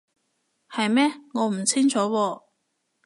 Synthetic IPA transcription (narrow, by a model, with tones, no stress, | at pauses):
hɐ˨jmɛː˥ŋɔː˨˧m̩˨˩t͡sʰɪ˥ŋt͡sʰɔː˨˥wɔː˧